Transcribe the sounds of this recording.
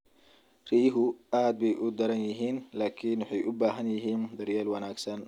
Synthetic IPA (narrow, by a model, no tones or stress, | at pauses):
riːjɦʊʔaːd̪̚bɛjʔʊd̪ɐɾɐnjɪɦiːnlaːkʰiːnwɑħɑjʔʊbaːɦɐnjɪɦiːnd̪ɐrjaːlwɐnaːɡsɐn